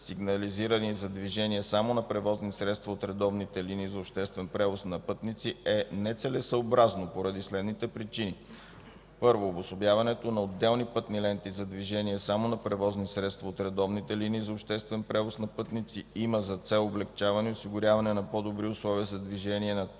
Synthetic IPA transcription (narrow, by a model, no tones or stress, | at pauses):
siɡnɐliziɾənizɐd̪viʒɛniɛsamonɐpɾɛvɔznisɾɛt̪st̪vɐot̪ɾɛd̪ɔvnit̪ɛliniːzɐopʃt̪ɛst̪vɛnpɾɛvosnɐpɤt̪nit̪siɛnɛt̪sɛlɛsɐobɾaznopoɾɐd̪islɛd̪nit̪ɛpɾit͡ʃini | pɤɾvoːbʊsobjavɐnɛt̪onɐod̪ːɛlˠnipɤt̪nilɛnt̪izɐd̪viʒɛniɛsamonɐpɾɛvɔznisɾɛt̪st̪vɐot̪ɾɛd̪ɔvnit̪ɛliniːzɐopʃt̪ɛst̪vɛnpɾɛvosnɐpɤt̪nit̪siiməzɐt̪sɛlˠoblɛkt͡ʃavɐnɛʊsiɡʊɾʲjavɐnɛnɐpod̪obɾiʊslˠɔviəzɐd̪viʒɛniɛnɐ